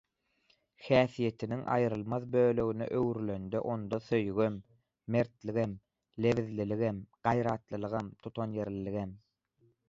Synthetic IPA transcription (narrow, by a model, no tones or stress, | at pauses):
hæːθije̞t̪ʰiniŋʔɑ̰jɯɾɯlˠmɑðbøːlø̞ɣynḛʔøɣɾylø̞nd̪ḛʔo̞nd̪oθøjɣømː | e̞ɾt̪liɣem | le̞viðliliɣemɢ̥ɑjɾɑːt̪lˠɯlˠɯʁɑmt̪ʰut̪ʰonje̞ɾliliɣem